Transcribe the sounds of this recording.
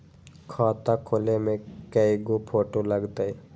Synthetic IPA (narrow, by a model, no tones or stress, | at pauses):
kʰɔːt̪akʰoːlemẽkəiɡopʰoːʈoləɡt̪ai